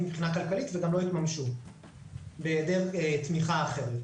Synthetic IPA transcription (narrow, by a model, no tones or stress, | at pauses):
mbχinakalkalit̪veɡamlo̞it̪mamʃu | bed̪eʁet̪miχaːχeʁ